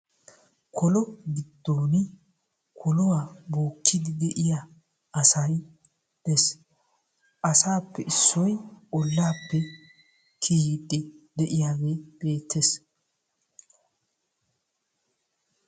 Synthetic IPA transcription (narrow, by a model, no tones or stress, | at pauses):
kʰɔlɔɡɪd̪̥ːoːnɪ | kʰɔlɔwaːboːkːɪd̪ɪd̪ɛʔɪja | ʔɐsɐj | d̪̥ɛs | ʔɐsaːpːɛʔɪsːɔjʔɔlːaːpːɛ | kʰiːɪd̪ʼːɪd̪ɛʔɪjaːɡeːb̥e̞ːt̪ʰːes